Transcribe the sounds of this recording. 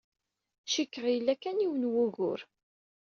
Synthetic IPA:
ʃikːəʁjəlːækːæniwənwuɣʊ̰ɾ

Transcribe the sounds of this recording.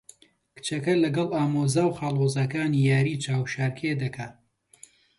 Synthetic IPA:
kɨ̥t͡ʃɐkɐlɐɡɐlˠaːmoːzaːwχaːlˠoːzɐkaːnijaːɾiːt͡ʃaːwʃaːɾkʰed̪ɐkʰaː

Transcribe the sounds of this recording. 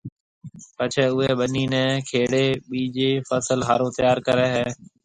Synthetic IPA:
pət͡ʃʰɛːʊɦeːɓəniːnɛ̃ːkʰeːɽeːɓiːd͡ʒeːfəsəlɦaːɾoːt̪əjaːɾkəɾɛːɦɛː

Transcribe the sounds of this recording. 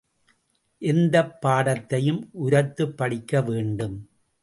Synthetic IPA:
ʔɛnd̪ɐpːaːɽɐt̪ːɐjɯmʔʊɾɐt̪ːɯpːɐɽɪkːɐʋeːɳɖɯm

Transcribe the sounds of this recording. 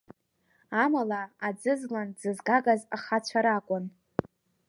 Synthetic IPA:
amalaad͡zɨzland͡zɨzɡaɡazaχat͡ɕʷʰaɾakʷʼʊn

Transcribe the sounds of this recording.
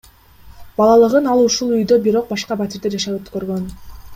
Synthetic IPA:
bɑlˠɑlˠɯʁɯnɑlˠuʃulˠyjd̪øbiɾo̞q̚bɑʃqɑbat̪ʲiɾd̪eɾd͡ʒɑʃɑlˠøt̪kø̞ɾɡø̞n

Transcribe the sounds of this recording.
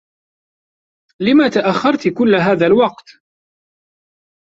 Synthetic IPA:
lɪmat̪aʔaxːɑɾˤt̪kʊlːɦaːðalwɑqt̪

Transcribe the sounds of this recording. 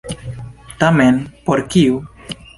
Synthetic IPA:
t̪amenpoɾkiu

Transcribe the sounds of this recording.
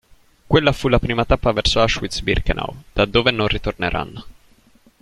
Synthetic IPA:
kwelːafulːapɾiːmat̪apːavɛrsoaʃwit̪sbḭrknʔa̰wd̪̥ad̪ːoːvenonrit̪orneɾa̰nːo

